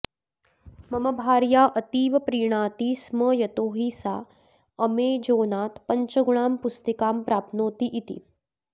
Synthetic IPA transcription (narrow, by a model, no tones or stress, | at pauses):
mɐmɐbʱaːɾjaːʔɐt̪iːʋɐpɾiːɳ̃aːt̪iːsməjɐt̪oːɦiːsa | əmeːd͡ʒoːnaːt̪pɐɲt͡ʃəɡuɳaːmpust̪ikaːmpɾaːp̚noːt̪iʔit̪ḭː